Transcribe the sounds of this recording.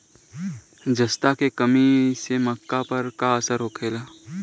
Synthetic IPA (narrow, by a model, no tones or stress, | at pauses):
d͡ʒəst̪akekəmisemɐkːapɐɾkaəsəɾɦoːkʰeːlaː